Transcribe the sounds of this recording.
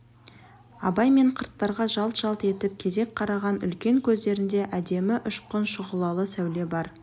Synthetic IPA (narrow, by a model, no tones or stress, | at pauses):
ɑbɑjme̞ɴqʰəɾt̪ːɑɾʁɑʒɑlˠt̪ʒ̥ɑlˠt̪e̞t̪ɪp̚kʲʰe̞d̪e̞k̚ʲqʰɑɾɑʁɑnʏ̰lkʲe̞ŋkʲʰɵzd̪e̞ɾɪnd̪e̞ʔæd̪e̞mɪʔʏʃqʊnʃʊʁəlˠɑlˠəsæwle̞bɑɾ